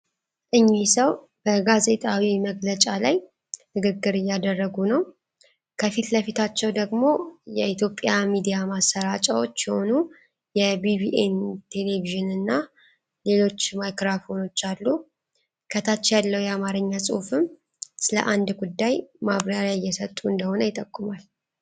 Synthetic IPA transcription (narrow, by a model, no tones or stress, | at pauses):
ʔɨɲːisəw | b̥əɡaze̞t̪ʼawiməɡlət͡ʃʼalaj | nɨɡɨɡːɨɾɨjːad̪ərːəɡunəw | kʰəfit̪ləfit̪ʰat͡ʃːɛwd̪əɡmo̞jɛit̪ʰjo̞pʼːjamid̪ijamasəɾat͡ʃʼəwot͡ʃːjɛho̞nu | jɛbibiʔent̪ʰe̞le̞viʒɨnɨnːa | le̞lo̞t͡ʃːmajkɾafo̞no̞t͡ʃːalːu | kʰət̪ʰat͡ʃːjalːəwjɛamaɾɨɲːasʼɨ̰hfɨm | sɨlə̰ʔand̪ɡud̪ːajmaβɾaɾjajːɛsət̪ʼuɨnd̪əho̞nəjɪt̪ʼəkʼːumal